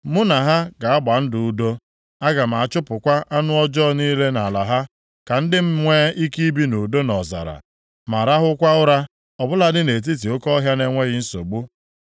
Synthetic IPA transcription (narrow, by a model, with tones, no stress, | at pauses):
mʊ˦na˨ɦa˦ɡa˨a˦ɡ͡ba˨n̩˦dʊ˨u˦do˦ | a˦ɡa˨m̩˨a˨a˨t͡ʃʊ˦pʊ˨kʷa˦ʔa˦nʊ˦ɔ˦d͡ʒɔ˦˨niː˦le˦na˨la˨ɦa˦ | ka˨n̩˦dɪ˦m̩˦ŋʷe˦i˦ki˦bi˦nu˨do˦nɔ˨za̰˨ɾa̰˨ | ma˨ɾa˦ɦʊ˦kʷa˦ʊ˦ɾa˦ | ɔ˨bʊ˦la˦dɪ˦ne˨t̬i˦t̬i˨o˦kɔ˦ɦja˦ne˦ŋʷe˦ɣɪ˦n̩˦so̰˨ɡ͡bu˦